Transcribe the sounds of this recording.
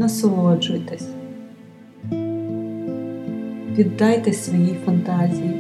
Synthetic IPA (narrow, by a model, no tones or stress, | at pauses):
ɐsɔlˠɔd͡ʒʊjt̪esʲ | ʋʲid̪ːɑjt̪ɛsʲʋɔjifɔnt̪ɑzʲiji